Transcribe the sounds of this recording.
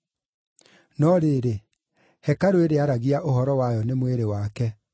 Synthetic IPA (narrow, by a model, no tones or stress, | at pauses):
nɔɾeːɾe | hɛkaɾoeɾeaɾaɣiaʔoɦɔɾɔwajɔnemweɾewaːkɛ